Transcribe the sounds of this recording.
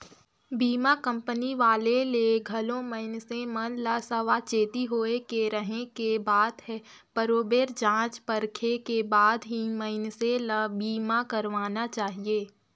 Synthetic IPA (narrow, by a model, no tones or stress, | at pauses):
biːmakə̃mpəniʋaːleleɡʱɐlõməɪnsemɐnlaːsəʋat͡ʃeːt̪iɦoːekeɾəɦẽkebaːd̪ɦɛ | pəɾoːbeːɾd͡ʒãːt͡ʃpəɾkʰekebaːd̪ɦiməɪnseləbiːmakɐɾʋaːnat͡ʃaːɦieː